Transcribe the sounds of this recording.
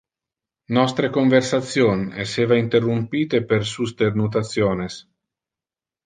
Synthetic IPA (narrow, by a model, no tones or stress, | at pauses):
nɔst̪ɾekoɱversat̪sjonḛseːvaint̪erːumpiːt̪epersust̪ernut̪at̪sjoːnes